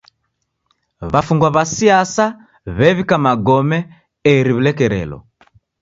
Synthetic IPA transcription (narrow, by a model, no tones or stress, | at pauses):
βafuŋɡwaβasiasa | βɛβikamaɡɔmɛ | ɛɾiβulɛkɛɾɛ̰lɔ̰